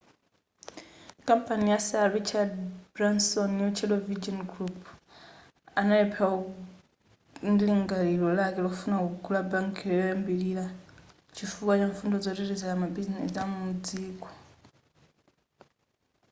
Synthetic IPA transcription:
kampanijasaaɾit͡ʃʰadbɾansɔnːut͡ʃʰɛlɔvid͡ʒɔnɡɾupʰ | analɛpʰɛwa | nliŋɡalilɔlakɛlɔfunakuukʰulabaŋkʰɛɔjɔjɛmbilila | t͡ʃifukwat͡ʃaɱfundɔd͡zɔɾiɾizɛkamabizinɛsamuud͡ziːkɔ̥

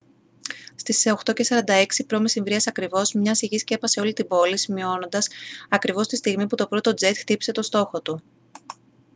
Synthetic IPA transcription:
st̪iso̞xt̪o̞ce̞sɐɾɐnd̪ɐe̞ksipɾo̞mesiɱvɾiɐsɐkɾivo̞zmɲɐsiʝiscee̞pɐse̞o̞lit̪ibo̞lisimio̞no̞nd̪ɐsɐkɾivo̞st̪ist̪iɣmiput̪o̞pɾo̞t̪o̞d͡ze̞t̪xt̪ipi̥se̞t̪o̞st̪o̞xo̞t̪u

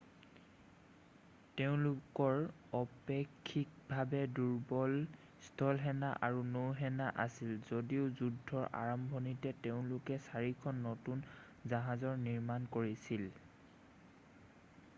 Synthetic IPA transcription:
teʊ̃lʊkɔɹ | ɔpekʰːik̚bʱabɛduɹbɔl | stʰɔlɦɛnaʔaɹunowɦɛnaʔasilzodiʊzudʱːɔɹʔa̰ɹɔmbʱɔnitɛteʊ̃lʊkɛsaɹikʰɔnːɔtun | zaɦazɔɹniɹmankoɹisil

